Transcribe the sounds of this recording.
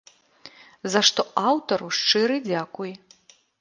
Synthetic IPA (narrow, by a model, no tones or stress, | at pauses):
zaʂt̪ɔʔawt̪ɐɾuʂt͡ʂɨɾɨd͡zʲakuj